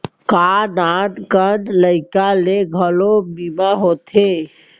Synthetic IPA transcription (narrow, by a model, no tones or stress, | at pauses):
kanaʈkəɖləɪkaleɡʱəlobimaɦoːt̪ʰe